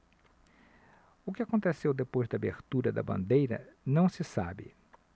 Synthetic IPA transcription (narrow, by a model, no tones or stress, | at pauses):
ʊkɪakõnt̪esewd̪epojzd̪ɐabeɾt̪uɾɐd̪ɐbɐ̰̃nd̪ejɾɐ̰nɐ̃w̃sɪsa̰bɪ̰